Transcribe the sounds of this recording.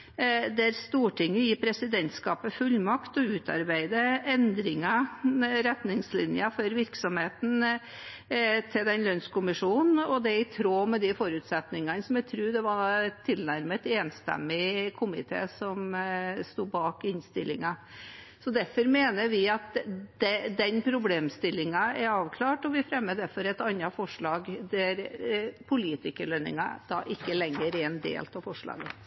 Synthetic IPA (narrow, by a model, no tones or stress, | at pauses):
d̪æɾst̪uːʈʰɪŋːəjiːpʰɾɛsɪd̪ɛnt̪skɑːpəfʉlːmɑkt̪ɔʉːt̪ʰɑ̰ɾbæɪd̪əɛnd̪ɾɪŋɑɾɛt̪nɪŋslɪ̰njəfɔɾʋɪɾksɔmheːt̪n̩ | t̪ʰɪld̪ɛnlœnskʊmɪʂuːnnn̩ɔd̪ɛɪt̪ʰɾoːmɛd̪ɪfɔɾʉt̪sɛt̪nɪŋɑnəsɔmjɛæt̪ʰɾʉːd̪ɛʋɑɪlnæɾmət̪eːnst̪ɛ̰mːɪkʰʊmɪ̰t̪ʰḛːsɔmst̪uːbɑːkɪnst̪ɪlːɪŋɑ | sɔd̪æɾfɔɾmeːnəʋɪɑt̪d̪̥ɛd̪ɛnpʰɾʊbleːmst̪ɪlːɪŋɑɛɾɑːʋkʰlɑːʈɔʋɪfɾɛmːəd̪æɾfɔɾɛt̪ɑnːɑfɔʂɭɑːɡd̪æɾpʰʊliːt̪ɪkəlœnːɪ̰ŋɑ̰d̪̥ɑ̰ːʔɪkːəlɛŋːəɾɛnd̪ḛːlt̪ʰɑʋfɔʂɭɑ̰ːɡə